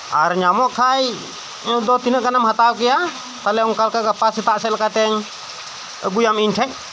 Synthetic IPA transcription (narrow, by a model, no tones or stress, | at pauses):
ʔa̰ɾɲamɔʔkʰai | dɔt̪inəkanamɦat̪aukija | t̪alɛɔŋkalkaɡapasit̪aʔsɛlakat̪ɛŋ | əɡujamint͡ʃɛk̚